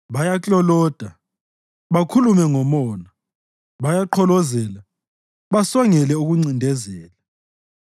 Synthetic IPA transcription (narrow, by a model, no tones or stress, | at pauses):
βajat͡ɬɔlɔːd̥ʱa | βakʰulumɛŋɔmɔːna | βajaǃʰɔlɔzɛla | βasɔŋɛlɛuɣuŋ͡ǀindʱɛzɛːla